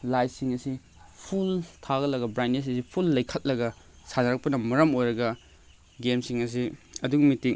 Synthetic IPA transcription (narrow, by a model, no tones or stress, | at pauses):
lajsiŋɐsi | pʰultʰaɡɐlɐɡɐbɾajnes̬sipʰulːɐjkʰɐt̚lɐɡɐ | sanɐɾɐk̚pɐnɐmɐɾɐmojɾɐɡɐ | ɡemsiŋɐs̬iɐduŋmitiŋ